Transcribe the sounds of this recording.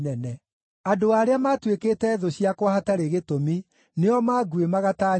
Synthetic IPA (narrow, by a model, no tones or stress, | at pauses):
nɛnɛ | adoaːɾeamatwekeːtɛðoɕiakwahataɾeɣetomi | neɔmaːɡwemaɣataː